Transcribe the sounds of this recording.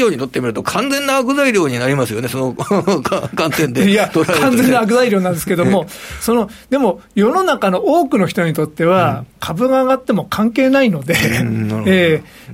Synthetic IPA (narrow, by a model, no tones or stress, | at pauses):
oːɲ̟it̪ot̪ːe̞mʲiɾɯ̟t̪o̞kʰãnzẽ̞nːaːkɯ̟zaiɾʲjo̞ːɲ̟inaɾʲimasɨjo̞ne̞so̞nokakãnt̪ẽ̞nd̪ejat̪oɾkãnd͡zẽ̞nːak̬ɯ̟zaiɾʲjo̞ːnãnd̪esɨ̥ked̪omo̞so̞no̞d̪e̞mo̞jo̞no̞nakano̞ʔoːkɯ̟no̞çi̥t̪o̞ɲ̟it̪o̞t̪ːe̞βakʰabɯ̟ɡaːɡat̪ːe̞mo̞kʰãŋke̞ːnaino̞d̪e̞ː